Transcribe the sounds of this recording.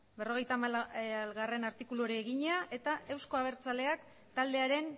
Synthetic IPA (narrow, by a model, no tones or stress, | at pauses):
be̞ro̞ɣ̞e̞jt̪aalɣare̞naɾt̪ikuluoɾiːɣiɲeaʔe̞t̪ae̞wsko̞aβ̞e̞ɾt͡sale̞ak | t̪ald̪e̞aɾe̞n